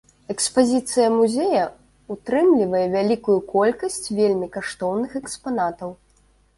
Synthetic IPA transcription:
ɛkspazʲit̪sɨjɐmuzʲejɐ | ut̪ɾɨmlʲivɐjɛvʲalʲikujukɔlʲkɐsʲt͡sʲvʲelʲmʲikaʂt̪ɔwnɨxɛkspanat̪ɐw

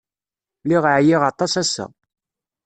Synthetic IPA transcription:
liʁʕjiʁɑt̪ˤːɑsæsæ̰

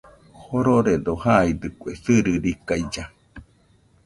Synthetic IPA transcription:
hoɾoɾed̪ohaid̪ɯkʷeθɨɾɨɾikajd͡ʒa

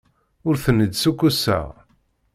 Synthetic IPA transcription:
ʊɾθənːəd̪sukʷːusːæ̰ʁ

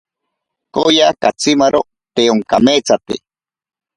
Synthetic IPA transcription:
kojakat͡simaɾo | t̪eoŋkamet͡sat̪ḛ

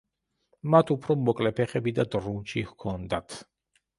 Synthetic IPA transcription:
mat̪ʰupʰɾɔmɔkʼlɛpʰɛχɛbid̪ad̪ʼɾunt͡ʃihkʰɔnd̪at̪ʰ

